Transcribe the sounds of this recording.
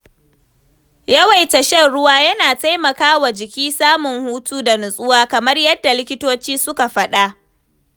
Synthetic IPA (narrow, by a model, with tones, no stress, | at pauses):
jɐ˦wa˨jtɐ˨ʃɛ˦˨nɽʊ˦waː˦jɐ˦naː˨ta˦jmɐ˨kaː˦wa˨d͡ʒɪ˨kʲiː˦saː˦mʊ˨ŋhuː˦tuː˦da˨nʊ˨sʼʊ˦waː˦kɐ˨mɐ˦rjɐ˦dːa˨lɪ˦kʲɪ˦toː˦t͡ʃiː˦sʊ˦ka˨ɸɐ˦ɗa˦ʔ